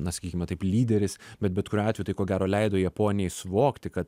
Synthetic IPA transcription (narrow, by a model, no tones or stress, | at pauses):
nɐsɐ̥kʲiːkʲɪmɛt̪ɐɪplʲiːd̪ʲɛɾʲɪsbʲɛt̪bʲɛt̪kʊɾʲuːɑːtʲɛjʊt̪ɐɪkoːɡʲæːɾoːlʲɛɪd̪oːjɛpoːnʲɪjɛɪsʊʋoːkt̪ʲɪkɐt̪